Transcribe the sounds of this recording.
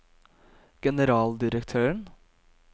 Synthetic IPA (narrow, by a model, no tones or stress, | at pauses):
ɡ̥ɛnəɾɑːld̪ɪɾəkt̪ʰøːəɳ